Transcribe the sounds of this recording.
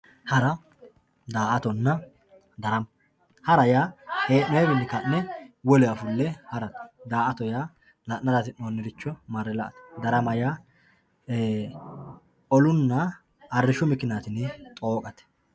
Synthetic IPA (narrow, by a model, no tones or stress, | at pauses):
hɐɾɐ | d̪aːʔɐt̪ɔnːɐ | d̪ɐɾɐm | hɐɾɐjaːheːʔnɛjbɪnːɪkɐnːɛwɔlɛɐfʊlːɛhɐɾɐt̪d̪aːʔɐt̪ɔjaː | lɐnːɐɾɐt̪ɪnoːnːɪɾɪt͡ʃːɔmɐɾɛlɐʔɐt̪d̪ɐɾɐmɐjaː | ɔlʊnːɐː | rːɪʃʊmɪkːɪnaːt̪ɪnɪt̪ʼo̞ːkʼɐt̪ɛ̥